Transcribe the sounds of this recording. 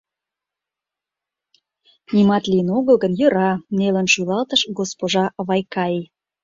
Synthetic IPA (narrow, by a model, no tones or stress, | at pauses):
nimɑt̪liənoɣəlɣənjə̆ɾɑnelə̆nʃulɑlt̪əʃɡospoʒɑβɑjkɑi